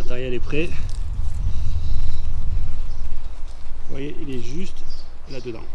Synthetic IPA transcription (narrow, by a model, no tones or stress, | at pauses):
d̪ɛʁjɛlɛpχɛ | vwajeʔilɛʒyst̪lad̪əd̪ɑ̰̃